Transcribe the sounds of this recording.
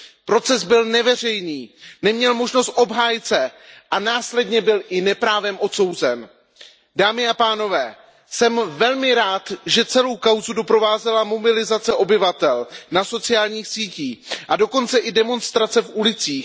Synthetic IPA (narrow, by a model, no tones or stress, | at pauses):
pɾo̞t͡sɛzbɪlnɛvɛr̝ɛjniːnɛmɲɛlmo̞ʒno̞st̪ʔo̞bɦaːjɪt͡sɛʔanaːslɛdɲɛbɪlʔɪnɛpɾaːvɛmʔo̞t̪so̞wzɛn | daːmɪapaːno̞vɛː | sɛmvɛlmɪɾaːt̪ʒɛt͡sɛlo̞wkawzudo̞pɾo̞vaːzɛlamo̞bɪlɪzat͡sɛʔo̞bɪvat̪ɛlnaso̞t͡sɪjaːlɲiːxsiːciːʔado̞ko̞nt͡sɛʔɪdɛmo̞nst̪ɾat͡sɛfʔulɪt͡siːx